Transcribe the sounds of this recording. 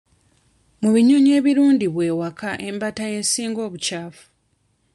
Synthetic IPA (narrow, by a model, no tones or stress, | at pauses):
muβiɲo̞ɲe̞ːβiɾuːndiβwe̞ːwakaʔe̞mbataje̞siːŋɡo̞ːβucaːfu̥